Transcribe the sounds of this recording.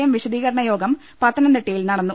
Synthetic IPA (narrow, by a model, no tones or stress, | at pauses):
jɐmʋiɕɐd̪iːɣɐɾɐɳɐjo̞ːɡɐm | pɐt̪ːɐnɐnd̪eʈːijilnɐɽɐnːu